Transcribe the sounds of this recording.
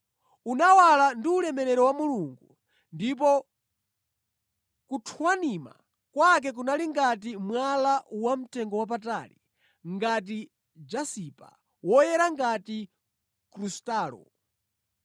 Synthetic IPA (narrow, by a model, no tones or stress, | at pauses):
unawalandiulɛmɛɾɛɾɔwamuluŋɡu | ndip̬ɔ | kutʰwanima̰ | kwak̬ɛk̬unaliŋɡat̬imwalawam̩tɛŋɡɔwap̬ata̰lḭ | ŋɡat̬i | d͡ʒasipa̰ | wɔjɛɾaŋɡati | kɾustaːlɔ̰